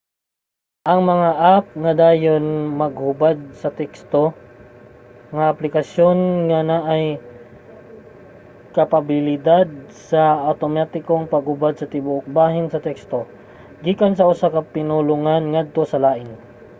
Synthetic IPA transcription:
ʔɐŋmɐŋaʔap̚ŋɐd̪aːjo̞nmɐɡ̚hʊbad̪̚sɐt̪ɛkst̪o̞ | ŋɐʔɐplɪkɐsjo̞nŋɐnaʔːj | kɐpabɪlɪd̪ad̪̚sɐʔɐwt̪omat̪ɪkoŋpɐɡ̚hʊbad̪̚sɐt̪ɪbʊʔok̚baːɦɪnsɐt̪ɛkst̪o̞ | ɡiːkɐnsɐʔʊsakɐpɪnʊlʊŋanŋad̪̚t̪o̞sɐlaːʔɪn

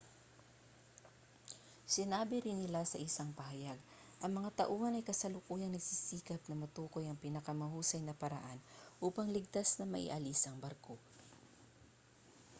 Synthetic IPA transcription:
sɪnaːbɪɾɪnːɪlasɐʔɪsaŋpɐɦɐjaɡ | ʔɐŋmɐŋat̪ɐʔuːhɐnɐjkɐsɐlʊkuːjɐŋnɐɡsisiːkɐp̚nɐmɐt̪uːko̞jɐŋpiːnɐkɐmɐhuːsɐjnɐpɐɾɐ̰ʔanʔuːpɐŋlɪɡ̚t̪asnɐmɐʔɪ̰ʔɐlisɐŋbɐɾkʰo

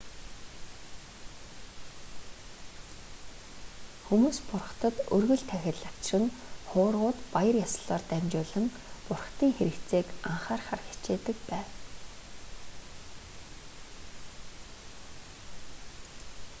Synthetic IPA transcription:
xumuːspʊrχə̥̆t̪ə̆t̪ɵrɣɵ̆ɮt̪ʰæxʲɪ̆ɮakt͡ɕrɘ̆ŋχʊːrʁʊːt̪pajə̆rjasə̆ɮɔːrt̪æmt͡ɕʊːɮə̆ŋ | pʊrχt̪iːŋxeɾɘ̆kt͡seːkaɴχaːrχa̰rxʲi̥t͡ɕeːt̪ɘ̆k̚pæːw

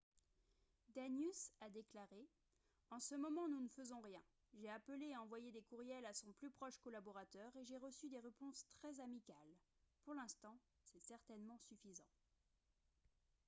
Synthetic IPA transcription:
d̪anjysad̪eklaʁe | ɑ̃səmɔmɑ̃nunfəzɔ̃ʁjɛ̃ | ʒeapəleaɑ̃vwajed̪ekuʁjɛlasɔ̃plypχɔʃkɔlabɔʁat̪œʁeʒeʁəsyd̪eʁepɔ̃st̪χɛzamikal | puʁlɛ̃st̪ɑ̃ | sɛsɛʁt̪ɛnmɑ̃syfizɑ̃

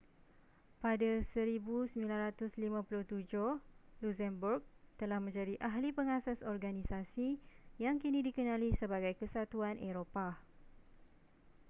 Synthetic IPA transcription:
padasəɾibusəmbilanɾat̪ʊslimãpulʊht̪ud͡ʒʊhlusɛmburk̚t̪əlahmə̃ɲd͡ʒadiʔaɦlipəŋasasɔrɡanĩsasijaŋkinĩdikənãlisəbaɡajkəsat̪uanʔeɾopa

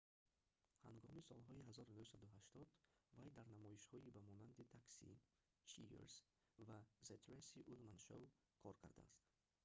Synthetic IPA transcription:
ha̰ŋɡɔmisɔlɦɔiɦazɔɾunuhsad̪uɦaʃt̪ɔd̪vajd̪aɾnamɔiʃhɔibamɔnand̪it̪ʰaksḭ | t͡ʃʰḭḛɾs | vazet̪ʰɾesiʔulmanʃow | kʰɔɾkʰa̰ɾd̪a̰ːst̪

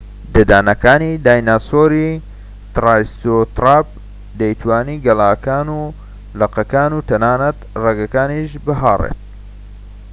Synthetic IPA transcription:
d̪ɐd̪aːnɐkaːnid̪aːjnaːsoːɾi | t̪raːst̪ot̪ɾaːb̚ | d̪ɐjt̪waːniːɡɐlaːkaːnuː | lɐqɐkaːnuːt̪ɐnaːnɐt̪reɡɐkaːniʃbɨɦarḛt̪̚

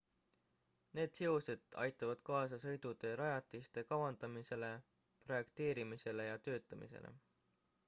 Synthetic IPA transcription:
ne̞ːd̪̥siused̪̥ɑ̰jt̪ːˑɑvɑd̪̥kɑːsɑsɤ̞jd̪̥ud̪e̞ɾɑjɑt̪ːˑist̪e̞kɑwɑnd̪̥ɑmise̞le̞ | pro̞je̞kt̪e̞ːɾimise̞le̞jɑt̪ø̞ːt̪ːˑɑmḭse̞̰lḛ

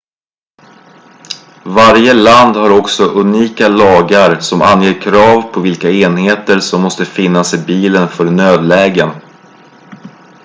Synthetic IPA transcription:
vaɾjəland̪haɾɔksɔʔɵniːkalɑːɡaɾsɔma̰nːjeːɾkʰɾɑːvpʰɔvɪlkaeːnheːt̪əɾsɔmːɔst̪əfɪnːasɪbiːlənfœɾnøːd̪lɛːɡən

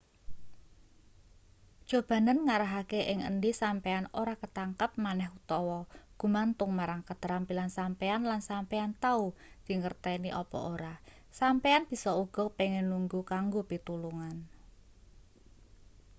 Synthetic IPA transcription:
d̥ʒ̥o̤b̥a̤nənŋaɾaɦakeʔɪŋə̰ndisampeanoɾakət̪aŋkəp̚manɛhut̪ɔwɔɡ̥ṳmant̪ʊŋmaɾaŋkət̪əɾampilansampeanlansampeant̪aud̪̥i̤ŋərt̪ɛniʔɔpɔ̰ʔoɾa | sampeanb̥i̤sɔuɡ̥ɔ̤peŋɛnːuŋɡukaŋɡopit̪uluŋan

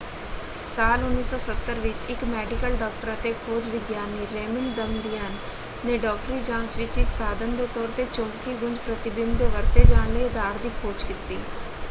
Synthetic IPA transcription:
saːlʊnːiːsɔːsət̪ːəɾʋɪt͡ʃɪkmɛːɖɪkəlɖɔːk̚ʈəɾət̪eːkʰoːd͡ʒʋɪɡjaːnːiːɾeːmɪnd̪əmd̪iːɦənː | eːɖɔːkʈɾiːd͡ʒãːt͡ʃʋɪt͡ʃɪksaːd̪ənd̪eːt̪ɔːɾt̪eːt͡ʃõːŋkiːɡʊɲd͡ʒpɾət̪ɪbɪnd̪d̪eːʋəɾt̪eːd͡ʒaːɳneːd̪aːɾd̪iːkʰoːd͡ʒkɪt̪ːiː

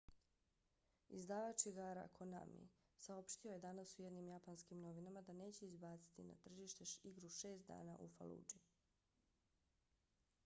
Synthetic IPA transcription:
izd̪aːʋat͡ʃiɡaɾa̰kʰona̰mḭsao̞pʃt̪io̞je̞d̪anasujed̪nimjapanskimno̞ʋinamad̪ane̞ːt͡ɕeizbaːt̪si̥t̪ina̰t̪r̩ʒiːʃt̪e̞iɡɾuʃe̞ːst̪̚d̪a̰ːnaʔufa̰lˠṵːd͡ʒi

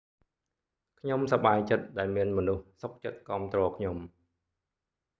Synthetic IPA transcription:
kʰɲomsɑɓaːjt͡ɕət̪̚ɗaɛlmiənmɔnuhsok̚t͡ɕət̪̚kɑəmt̪rɔːkʰɲom

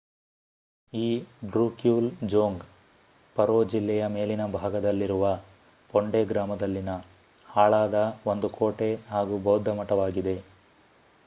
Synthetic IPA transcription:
iːɖɾuːkjuːld͡ʒoːŋɡ | pɐɾoːd͡ʒilːɛjɐme̞ːlinɐbʱaːɡɐd̪ɐlːiɾuʋɐ | poɳɖeɡɾaːmɐd̪ɐlːinɐ | haːɭaːd̪ɐo̞nd̪ukʰo̞ːʈe̞ɦaːɡuːbɐwd̪ʱːɐmɐʈɐʋaːɡid̪e̞

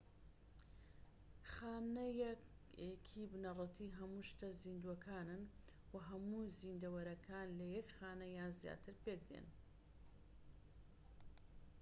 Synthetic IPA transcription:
xaːnɐjɛ | ekʰibnɐrˤɨt̪ʰiːɦɐmuːʃt̪ɐziːnd̪uɐkʰaːnɨn | wɐɦɐmuːzind̪ɐwɐɾɐkʰaːnlɐjɛkxaːnɐjaːnzja̰t̪ʰɨɾpek̚d̪ḛn

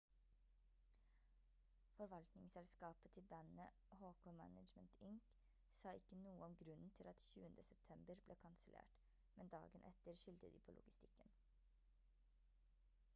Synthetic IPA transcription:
fɔɾʋɑlt̪nɪŋsɛlskɑːpət̪ʰɪlbænə | hoːkoːmæ̰nəd͡ʒmənt̪ʰɪŋk | sɑːɪkːənuːəɔmɡɾʉnn̩t̪ʰɪlɑt̪çʉːənd̪əsɛp̚t̪ʰɛmbəɾbleːkʰɑnsəlʔḛːʈ | mɛnd̪ɑ̰ːɡənʔɛt̪əɾʂʏlt̪əd̪ḭːpʰoːlʔʊ̰ɡɪst̪ɪkːən

